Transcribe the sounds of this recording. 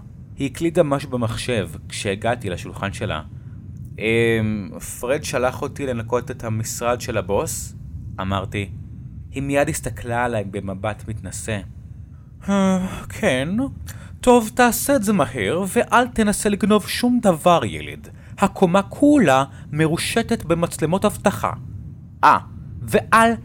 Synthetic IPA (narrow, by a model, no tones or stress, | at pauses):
hiiklitamaʃubemaχʃe̞vkʃeːɡatilaʃulχanʃe̞la̰ | ʔemfʁedʃalaχo̞tile̞nako̞tethamisʁadʃe̞labo̞sʔamaʁti | himijadhistaklaːlaembe̞mabatmitnase | akʰento̞vtaːseːzemaheʁve̞ʔaltenaseliɡno̞vʃumdavaʁjḛlḭd | hakʰo̞makʰula | me̞ʁuʃe̞te̞tbe̞mat͡slemo̞thavtaχa̰ | ʔave̞ʔal